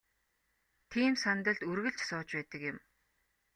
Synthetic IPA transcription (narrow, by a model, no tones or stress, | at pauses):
t̪ʰiːmsant̪ə̆ɮt̪ɵrɣɘ̆ɬt͡ɕsʊːt͡ɕpæːt̪ə̆kjɪ̆m